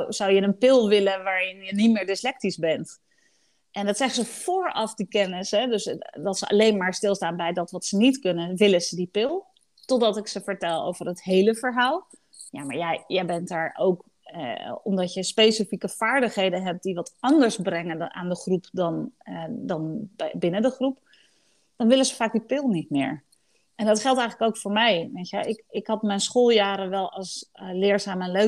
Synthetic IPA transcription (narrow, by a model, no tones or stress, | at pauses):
zɑwjənənpɪlˠʋɪlənʋaːɹɪnjənitmɪːɹdɪslɛk̚tizbɛnt | ʔɛndɑtsɛχənzəfoːɹɑfdikɛnɪsɦɛdøsdɑtsəʔɑ̰lejnmaːɹstɪlˠstaːnbɛjdɑtʋɑtsənitkɵnənʋɪlənz̥ədipɪlˠ | tɔdɑtɪksəvəɹtɛlˠo̰wvərɦətɦejləvəɹɦaːlˠ | ja̰ːma̰ːɹjajjəjbɛntaːɹʔowk | ɔmdɑtjəspejsifikəv̥aːɹdəχɦejdənɦɛp̚diʋɑtɑndəɹsbrɛŋənʔa̰ːndəχrupdɑndɑnbɪnədəχrup | d̥ɑnʋɪləzəfaːk̚dipɪlˠnitmɪ̰ːɹ | ʔɛndɑtχɛlˠtɛjχələkowkfʊːɹmɛjʋejtjəɪkɪkɦɑtmɛjnsχoːlˠjaːɾənʋɛlˠɑlˠslɪːɹzaːmənlø